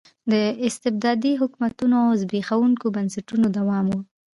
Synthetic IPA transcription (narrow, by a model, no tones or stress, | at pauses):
d̪əɪst̪ɪb̚d̪ɑd̪iɦʊkmat̪unoazbexawuŋkobansaʈunod̪awɑmwu